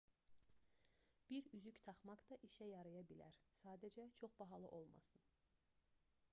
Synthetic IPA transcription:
b̥iɾyzyct̪ʰɑχmɑkd̪ɑʔiʃæjɑɾɯjɑbilæ̰ɾsɑːd̪æd͡ʒæt͡ʃʰo̞χbɑɦɑlˠɯ̰ʔo̞lˠmɑ̰sɯn

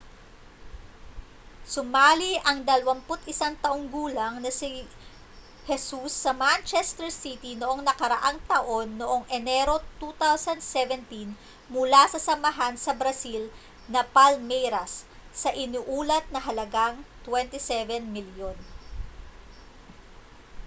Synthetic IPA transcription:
sʊmaːliʔɐŋd̪ɐlɐwɐmpʊt̪ɪsaŋt̪ɐʔoŋɡuːlɐŋnɐsi | hɛsusːɐmant͡ʃɛst̪ɛɹsit̪inoʔo̞ŋnɐkɐɾɐʔaŋt̪ɐʔo̞nːoʔo̞ŋʔɛnɛɾo̞t̪ut̪awsɐnd̪sɛvɛnt̪in | mʊlasɐsɐmɐɦansɐbɾɐsil | nɐpalmɛjɾɐsːɐʔɪnuːʔuːlɐt̪̚nɐɦɐlɐɡaŋt̪wɛnt̪isɛvɛnmiljon

